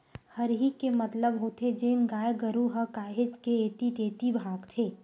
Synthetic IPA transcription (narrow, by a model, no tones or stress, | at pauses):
həɾɦikemɐt̪ləbɦoːt̪ʰed͡ʒeːnɡaːjɡəɾuɦəkaːɦɪd͡ʒkeeːt̪it̪eːt̪ibʱãːɡt̪ʰeː